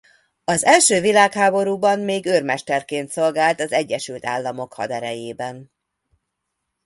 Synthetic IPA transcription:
ɒzɛlʃøːvilaːkhaːbo̞ɾuːbɒmmeːɡørmɛʃt̪ɛrkeːnt̪so̞lɡaːlt̪ɒzɛɟːɛʃylt̪a̰ːlːɒmo̞khɒ̰d̪ɛɾɛjeːbɛn

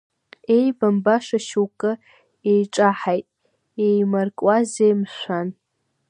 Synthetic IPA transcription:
ejbambaʂaʃuwkʼɨ | ejʈ͡ʂʼaħajtʼ | ejmarkʼwazejmʃʷan

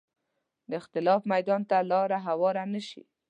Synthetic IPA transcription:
d̪əɪxt̪ɪlɑfmajd̪ɑnt̪alɑɾaɦawɑɾanəʃḭ

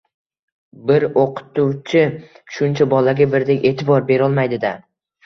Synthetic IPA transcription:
bɪɾoqʰʊ̥t̪ʊwt͡ʃʰɪ | ʃʊnt͡ʃʰabɒlaɡʲabɪɾd̪ekʲe̞ːt̪ʰɪbɒɾbe̞ɾɒlˠmajd̪ɪd̪a

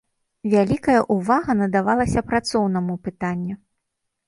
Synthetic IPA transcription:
vʲalʲikɐjɐʔuvaɣɐnɐd̪avalˠɐsʲɐpɾat̪sɔwn̪ɐmupɨt̪anʲːu

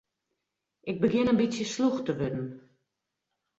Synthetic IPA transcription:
ʔɪɡ̚bəɡɪnənbisjəsluxtəʋødn̩

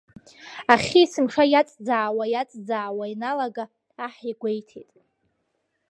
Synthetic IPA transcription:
aχʲiːsɨmʂajat͡sʼd͡zaʕwajat͡sʼd͡zaːwainalaɡaː | ħiɡʷejtʰḛtʼ

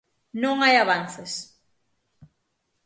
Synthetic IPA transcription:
nõŋajaβanθes

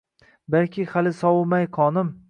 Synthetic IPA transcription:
balkʲʰɪhalɪsɒwmajqʰɒnɪm

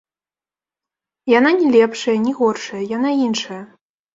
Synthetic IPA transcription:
jananʲɛlʲɛpʂɐjɐnʲɛɣɔrʂɐjɐjanainʂɐjɐ

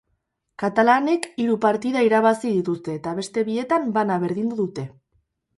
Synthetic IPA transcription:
kat̪alane̞kiɾupaɾt̪iðaiɾaβ̞asið̞it̪ust̪e̞ːt̪aβ̞e̞st̪e̞βie̞t̪ambanaβ̞e̞ɾð̞ind̪uðut̪e̞

